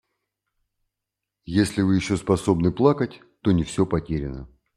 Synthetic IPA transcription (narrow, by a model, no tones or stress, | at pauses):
jesʲlʲɪvɨjɪɕːo̞spɐso̞bnɨplˠakətʲ | t̪o̞nʲɪfsʲopɐtʲeɾʲɪnə